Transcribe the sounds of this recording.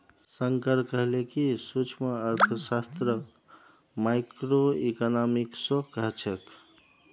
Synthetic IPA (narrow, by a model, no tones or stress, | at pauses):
səŋkəɾkəɦlekisut͡ʃʰməːɾt̪ʰəsast̪ɾə | majkɾoekanamiksokəɦt͡ʃʰek